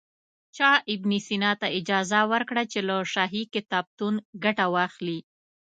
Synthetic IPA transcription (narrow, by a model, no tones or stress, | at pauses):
t͡ʃɑʔɪbnisinɑt̪aɪd͡ʒɑzawəɾkɽat͡ʃelaʃɑɦikɪt̪ɑb̚t̪unɡaʈawɑxli